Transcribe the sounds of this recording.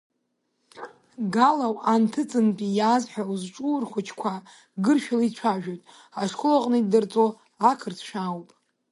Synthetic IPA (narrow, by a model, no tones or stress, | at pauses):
ɡalawantʰɨt͡sʼɨnpʼijazħᶣauzʈ͡ʂʼuːrχʷʊt͡ʃʰkʷʰa | ɡɨrʃᶣaliit͡ɕʷʰaʒᶣojtʼ | aʂkʰʊlaqʼnɨdɨrt͡sʼo | akʰɨrt͡sʰʃᶣawpʼ